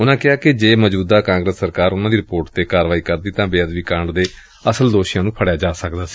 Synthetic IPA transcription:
ʊnãːkɪaːkɪd͡ʒeːməd͡ʒbuːd̪aːkãːŋɡɾəsːəɾkaːɾʊnãːd̪iːɾɪpoːɾʈt̪eːkaːɾʋaːiːkəɾd̪iːt̪ãːbeːəd̪ʋiːkəɳɖd̪eː | əsəld̪oːʃijãːnũːpʰəɽjaːd͡ʒaːsəkd̪aːsi̥ː

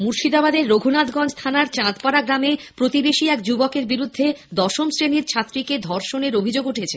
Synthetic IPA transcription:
muɾʃid̪abad̪eɾːoɡʱunad̪ɡɔnd͡ʑt̪ʰanaɾt͡ɕãt̪paɾaɡɾamepɾot̪ibeʃiɛkd͡ʑubɔkeɾbiɾud̪ʱːed̪ɔʃomsɾeniɾt͡ɕʰat̪ːɾiked̪ʱɔɾʃoneɾobʱid͡ʑoɡuʈʰet͡ɕʰe

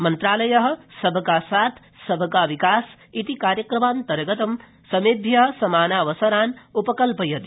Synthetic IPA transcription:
mɐnt̪ɾaːlɐjɐɦ̆sɐbʱɐkaːsaːt̪ʰ | sɐbʱɐkaːʋikaːs | it̪ikaːɾjɐkɾɐmaːnt̪ɐɾɐɡɐt̪ɐm | sɐmeːd̪ʱjɐɦsɐmaːnaːʋɐsɐɾaːnupɐkɐlpɐjɐt̪i

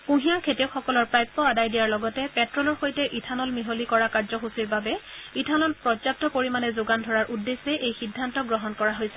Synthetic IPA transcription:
pũɦĩjakʰetiʊkxɔkɔlɔɹpɹajpːɔadajdijaɹlɔɡɔtɛpɛtɹɔlɔɹxojtɛʔitʰanɔlmiɦolikɔɹakaɹzɔxusiɹbabɛitʰanɔlpɹɔap̚tɔkoɹimanɛzʊɡandʱɔɹaɹʔudːesːɛʔejxidʱːantɔɡɹɔɦɔnkɔɹaɦojsɛ̥

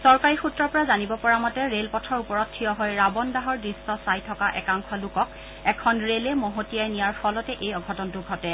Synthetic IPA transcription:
sɔɹkaɹixutːɹɔɹpɔɹazanibɔpɔɹamɔtɛɹelpɔtʰɔɹupɔɹɔtʰːijɔɦɔjɹabɔndaɦɔɹdɹistɔsajtʰɔkaʔɛkaŋkʰɔlʊkɔk̚ | ɛkʰɔnɹelɛmoɦotijajnijaɹpʰɔlɔtɛʔejɔɡʱɔtɔntʊɡʱɔtɛ

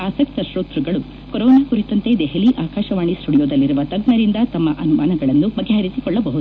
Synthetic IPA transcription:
aːsɐk̚t̪ɐʃɾoːt̪ɾuɡɐɭu | koɾɔːnaːkuɾit̪ɐnt̪e̞d̪eɦɐliːʔaːkaːʃɐʋaːɳisʈuɽijoːd̪ɐlːiɾuʋɐt̪ɐɡnɐɾind̪ɐt̪ɐmːɐʔɐnumaːnɐɡɐɭɐnːubɐɡːeɦɐɾisikɔɭːɐbɐɦud̪uu

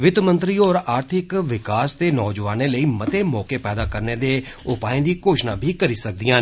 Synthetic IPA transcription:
ʋɪt̪mə̃nt̪ɾiːɔːɾaːɾt̪ʰɪkʋɪkaːst̪eːnɔːd͡ʒʋaːneːləiːmət̪eːmɔːkeːpɛːd̪aːkəɾneːd̪eː | ʊpaːẽːd̪iːkoːʃnãːbʱiːkəɾiːsək̚d̪ijãː

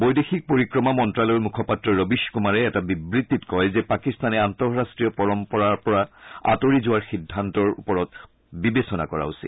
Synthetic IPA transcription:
bojdexik̚poɹikɹɔmamɔntɹalɔɹmukʰɔpatɹɔɹobiʃkumaɹɛːtabibɹit̪ːitkɔjzɛpakistanɛantɔɹɹastɹijɔpɔɹɔmpɔɹaɹpɔɹaa̰toɹizʊwaɹxidʱːantɔɹṵpɔɹɔt | bibesɔna̰kɔɹa̰usḭl

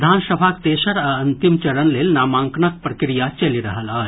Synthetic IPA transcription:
d̪ʱaːnsəbʱak̚t̪eːʃəɾɐɐnt̪imt͡ʃɐɽənleːlnaːmãːŋknək̚pɾɐkɾijat͡ʃɐliɾɐɦəlaː

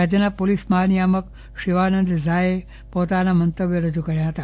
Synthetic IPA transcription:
ad͡ʒjənapolisməɦanijamək | ʃiʋanənd̪zae | pot̪anamənt̪əbjoɾəd͡ʒukəɾjaɦət̪a

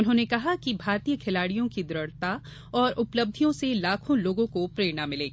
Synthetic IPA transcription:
ʊnɦõːnekɐɦakibʱaːɾt̪ijəkʰɪlaːɽijõkid̪ʊɾəɽt̪a | ɔːɾʔʊpləb̚d̪ʱijõselaːkʰõloːɡõkopɾeːnamɪleː

